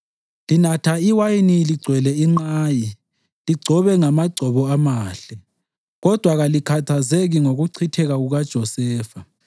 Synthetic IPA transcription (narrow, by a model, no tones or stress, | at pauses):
linatʰaiwajiniliɡ͡ǀʱwɛlɛiŋ͡ǃaːji | liɡ͡ǀʱɔβɛŋamaɡ͡ǀʱɔβɔamaːɬɛ | ɣɔd̥ʱwaɣalikʰatʰazeɣiŋoɣuǀʰitʰɛɣaɣuɣad̥ʒ̥ʱɔsɛːfa